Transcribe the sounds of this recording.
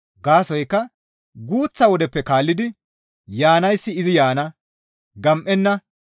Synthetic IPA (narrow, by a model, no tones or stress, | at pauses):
ɡaːsɔjkːɐ | ɡuːt͡sːɐwɔd̪ɛpːɛkaːlːɪd̪ɪ | jaːnɐjsːɪɪzɪjaːnɐ | ɡɐmʔɛnːɐ